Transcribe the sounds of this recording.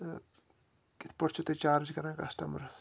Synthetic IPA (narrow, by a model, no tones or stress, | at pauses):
kit̪ʰpɐʈt͡ʃʰut̪et͡ʃaːɾd͡ʒkɐɾãːkɐsʈɐmɐɾ